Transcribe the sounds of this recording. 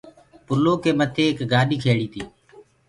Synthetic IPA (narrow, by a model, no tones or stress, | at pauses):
pʊloːkeːmət̪ʰeːkɡaːɗiːkʰeːɽiːt̪iː